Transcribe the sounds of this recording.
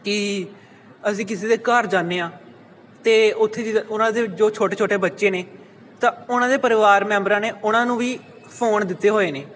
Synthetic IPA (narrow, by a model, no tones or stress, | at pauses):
kɪ | əsĩːkɪs̬eːd̪eːkəɾd͡ʒaːnːeːãː | t̪eːʊt̪ʰːeːd͡ʒiʊnãːd̪eːd͡ʒoːt͡ʃʰoːʈeːt͡ʃʰoːʈeːbətːʃeːneː | t̪ãːʊnãːd̪eːpəɾɪʋaːɾmɛ̃ːmbɾãːneːʊnãːnũːʋiː | pʰoːnd̪ɪt̪ːeːɦoːeːneː